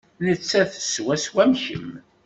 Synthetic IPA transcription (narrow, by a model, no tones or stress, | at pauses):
nət͡sːæθə̥swæswæmçə̰m